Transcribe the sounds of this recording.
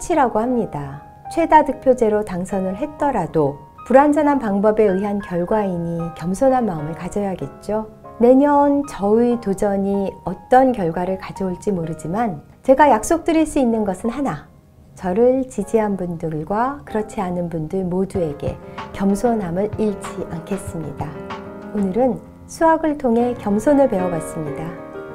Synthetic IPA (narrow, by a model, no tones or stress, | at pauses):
t͡ɕʰiɾaɡohamɲida | t͡ɕʰwe̞dadɯk̚pʰjod͡ʑe̞ɾotaŋsʰʌnɯɭɦe̞t̚t͈ʌɾado | puɾand͡ʑʌnɦanpaŋbʌbe̞ɯɦankjʌɭɡwaiɲikjʌmsʰonɦanmaɯmɯɭkad͡ʑʌjaɡe̞t̚t͡ɕ͈o | ne̞ɲʌnt͡ɕʌitod͡ʑʌɲiʌt͈ʌnkjʌɭɡwaɾɯɭkad͡ʑʌoɭt͡ɕ͈imoɾɯd͡ʑiman | t͡ɕe̞ɡajak̚s͈ok̚t͈ɯɾiɭs͈uinːɯnɡʌsʰɯnhana | t͡ɕʌɾɯɭt͡ɕid͡ʑiɦanbundɯɭɡwakɯɾʌt͡ɕʰianɯnbundɯɭmodue̞ɡe̞̰kjʌmsʰonɦamɯɭiɭt͡ɕiʔaŋkʰe̞s͈ɯmɲḭdaonɯɾɯn | sʰuaɡɯɭtʰoŋɦe̞kjʌmsʰonɯɭpe̞ʌbwas͈ɯmɲida